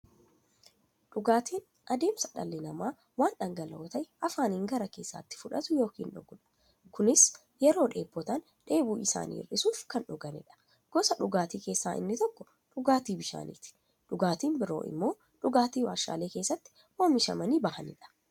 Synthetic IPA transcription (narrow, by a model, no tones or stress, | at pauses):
ᶑʊɡaːt̪iːn | ʔɐd̪e̞ːmsɐᶑɐ̰lːɪnɐmaː | waːnɗɐŋɡɐlɐːt̪ɐʔɐfaːniːŋɡɐɾɐke̞ːsːa̰ːt̪ːɪ̥fʊᶑɐt̪ʊjo̞ːkiːnᶑʊ̰ɡʊᶑɐ̥ | kʊnɪs | jɛɾo̞ːᶑe̞̰ːpːɔt̪aːn | ᶑe̞ːbuːɪsa̰ːnḭːrɪsuːfkɐnᶑʊɡɐnɪ̰ᶑɐ̥ | ɡ̥ɔsɐᶑʊɡaːt̪iːke̞ːsːaːʔɪ̰nːɪt̪ɔkːɔ | ᶑʊɡaːt̪iːbɪʃa̰ːnḭt̪ɪ̥ | ᶑʊɡaːt̪iːnbɪɾo̞̰ːʔɪ̰mːo̞ː | ᶑʊɡaːt̪iːwaːʃa̰ːle̞ːke̞ːsːɐt̪ːɪ̥ | woːmɪʃɐ̰mɐniːbɐhɐnɪ̰ᶑɐ̥